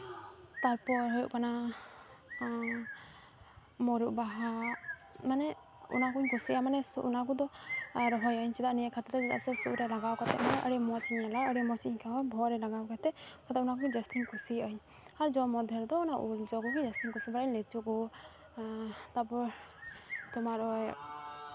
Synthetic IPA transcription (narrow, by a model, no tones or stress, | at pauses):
t̪aɾpɔɾɦɔjṵʔkana | mɔɾuʔbaɦa | manɛ | ṵnakuɲkusiʔamanɛsʔṵnak̬ud̪ɔɾɔɦɔjɔiɲsid̪aʔnijɛkʰat̪ɔt̪ɛd͡ʒɛd̪a̰ʔsɛsṵʔɾɛlaɡawkat̪ɛ̰manɛʔɔɽɛmɔt͡ʃiɲɛlajɔɽimɔt͡ʃiɲkaɔbʱɔɾɛlaɡawkat̪ɛʔkʰɔt̪aunakukid͡ʒɔst̪ʰiɲkʰusiɔiɲ | aɾd͡ʒɔmɔd̪ʱɔɾd̪ɔunaʔuld͡ʒɔkɔkid͡ʒɛst̪ʰiɲkusibaɽɲlɛt͡ʃuku | t̪apɔɾ | t̪ɔmaɾɔj